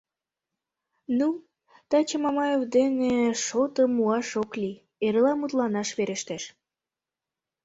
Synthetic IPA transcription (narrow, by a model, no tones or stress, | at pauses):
nu | t̪ɑt͡ɕəmɑmɑjevd̪eneʃot̪omuɑʃokli | eɾəlɑmut̪lɑnɑʃβeɾeʃt̪eʃ